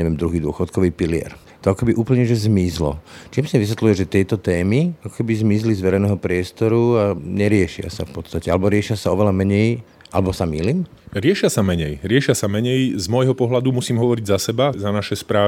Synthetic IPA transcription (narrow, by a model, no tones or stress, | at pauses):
ɲɛʋɪɛmd̪ɾuɦiːd̪ʊɔxɔt̪kɔʋiːpilɪɛ̰ɾ | t̪ɔakɔkɛbiʔuːpl̩ɲɛʒɛzmizlɔ̰t͡ʃiːmsiɛʋis̬ʋɛt̪lujɛʒɛt̪ɪɛjt̪ɔt̪ɛːmiakɔ̥kɛbizmizlizʋɛɾɛɪjnɛːɦɔpɾɪɛst̪ɔɾuaɲɛɾɪɛʃɪa̰sa̰fpɔt̪st̪acɛalɛbɔɾɪɛʃɪasaɔʋɛlamɛɲɛj | ʔalɛbɔsamiːliːm | ɾɪɛʃɪasamɛɲɛjɾɪɛʃɪasamɛɲɛjzmɔjɦɔpɔɦlad̪umusiːmɦɔʋɔɾiɟzasɛbazanaʃɛspɾaː